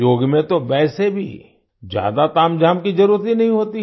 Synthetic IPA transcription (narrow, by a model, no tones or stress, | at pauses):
joːɡmẽt̪oʋɛːsebʱḭ | d͡ʒja̰ːd̪at̪aːmd͡ʒaːmkizɐɾuːɾət̪ɦinɐɦĩɦoːt̪i